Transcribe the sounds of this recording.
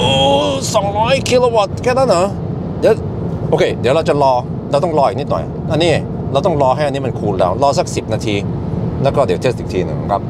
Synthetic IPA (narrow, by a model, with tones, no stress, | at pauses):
ʔɤː˧˩sɔ˨˩˦ŋɾɔː˦˥jkʰi˧loː˧wa˨˩t̪̚kʰɛː˥˩na˥˨nːəː˨˦ | d̪i˨˦w | ʔoː˧kʰeː˧d̪i˨˩˦ɾa˧wt͡ɕa˨lɔː˧ | ɾa˧wt̪ɔ˥˩ŋlɔː˧ʔi˨˩k̚ni˦˥t̪̚nɔ̰˨˩j | ʔa˧nːiː˧˥˩ | ɾaː˧wt̪ɔ˥˩ɾɔː˧ɦa˥˩ʔa˧ni˦˥m˧kʰuː˧nlɛ̰˦˥wlɔː˧sa˥˩k̚si˨˩p̚naː˧t̪ʰiː˧ | lɛː˦˥wkɔː˥˩di˨˦t̪eː˦˥˩t̪̚i˨˩t̪ʰiː˧nɯ̰˨˩ŋ˨˦˩kʰa˦˥p̚